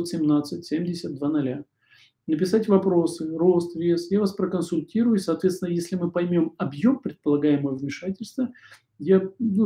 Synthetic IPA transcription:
t̪sʲɪmnat̪sɨtʲsʲemʲdʲɪsʲəd̪̚d̪vanɐlʲa | nəpʲɪsatʲvɐpɾo̞sɨro̞st̪vʲesjavaspɾəkənsʊlʲtʲiɾʊjʊsɐːt̪vʲesʲɪnəjesʲlʲɪmɨpɐjmʲo̞mɐbjo̞mpɾʲɪt̪̚pəlˠɐɡajɪməvvmʲɪʂatʲɪlʲst̪və | janu

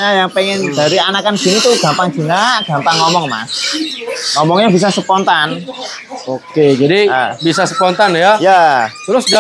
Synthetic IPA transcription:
ɲajaŋpeŋɛndaɾianakand͡ʒ̥init̪uɡ̥a̤mpaŋd͡ʒinaɡ̥a̤mpaŋːɔmɔŋma̰s | ŋɔmɔŋɲabis̬asəpɔnt̪an | oked͡ʒadibisasə̥pɔnt̪anjajat̪ɾʊsɡa

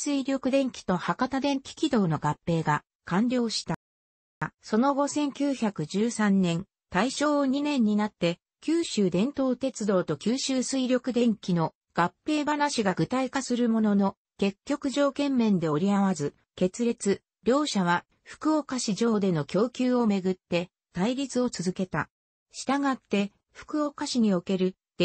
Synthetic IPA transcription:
sɨiɾʲo̞kɯ̟d̪ẽ̞ŋkʲi̥t̪o̞hakat̪ad̪ẽ̞ŋkʲi̥kʲid̪o̞ːno̞ɡapːe̞ːɡa | kãɲɾʲo̞ːɕi̥t̪a | so̞no̞ɡo̞sẽ̞ŋkʲɨːçakɯ̟d͡ʑɨːsãnːẽ̞n | t̪aiɕo̞ːɲ̟inẽ̞ɲ̟ːinat̪ːe̞ | kʲɨːɕɨːd̪ẽ̞nt̪o̞ːt̪e̞t͡sɨd̪o̞ːt̪o̞kʲɨːɕɨːsɨiɾʲo̞kɯ̟d̪ẽ̞ŋkʲino̞ | ɡ̥apːe̞ːbanaɕiɡaɡɯ̟t̪aikasɨɾɯ̟mo̞no̞no̞ | ke̞kʲːo̞kɯ̟ʑo̞ːkẽ̞mːẽ̞nd̪e̞o̞ɾʲiaβazɨ | ke̞t͡sɨɾe̞t͡sɨ | ɾʲo̞ːɕaβ̞a | ɸɯ̟̥kɯ̟okaɕiʑo̞ːd̪e̞no̞kʲo̞ːkʲɨːo̞me̞ɡɯ̟t̪ːe̞ | t̪aiɾʲit͡sɨo̞t͡sɨzɨke̞t̪a̰ | ɕi̥t̪aɡat̪ːe̞ | ɸɯ̟̥kɯ̟okaɕiɲ̟io̞ke̞ɾɯ̟̥

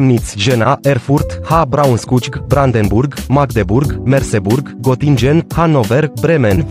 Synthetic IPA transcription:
mnit̪sʲʒenaʔerfurt̪habɾaunskut͡ʃkbɾand̪enburɡmakd̪eburɡmerseburɡːot̪ind͡ʒenhanoverbɾemen

